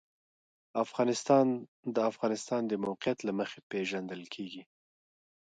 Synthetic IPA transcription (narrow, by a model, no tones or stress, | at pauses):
afɣɑnɪst̪ɑnd̪əafɣɑnɪst̪ɑnd̪əmawqɪjat̪laməxepeʒand̪əlkʰeɡi